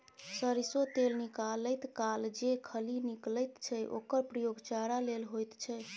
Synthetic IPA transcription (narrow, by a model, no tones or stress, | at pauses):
səɾisot̪elnikaləjt̪kald͡ʒekʰəlinikləjt̪t͡ʃʰɛʔo̰kəɾpɾəjoɡt͡ʃaɾalelɦojt̪t͡ʃʰɛ